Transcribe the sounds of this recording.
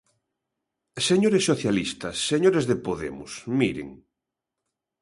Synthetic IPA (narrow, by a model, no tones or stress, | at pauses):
seɲoɾesːoθjalist̪ɐsːeɲoɾezðepoðḛmʊ̰smiɾḛŋ